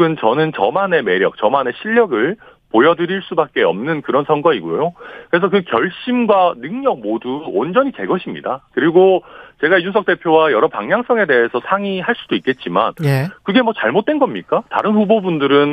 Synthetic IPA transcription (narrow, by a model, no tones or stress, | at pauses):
ɡɯnt͡ɕʌnɯnt͡ɕʌmane̞me̞ɾjʌk̚t͡ɕʌmane̞ɕʰiʎːʌɡɯɭ | pojʌdɯɾiɭs͈ubak̚k͈e̞ʌ̰mnɯnkɯɾʌnsʰʌŋɡʌiɡojokɯɾe̞s̬ʰʌkɯkjʌɭɕ͈imɡwanɯŋɲʌɡ̚moduo̰nd͡ʑʌɲit͡ɕe̞ɡʌɕʰimɲḭdakɯɾiɡot͡ɕe̞ɡaijunsʰʌk̚t͈e̞pʰjowajʌɾʌpaŋɲaŋs͈ʌŋe̞de̞ɦesʰʌsʰaŋiɦaɭs͈ud̥oik͈e̞t̚t͡ɕ͈imanjekɯɡe̞mʌt͡ɕaɭmot̚t͈we̞nɡʌmɲik͈ata̰ɾɯnɸubobundɯɾɯn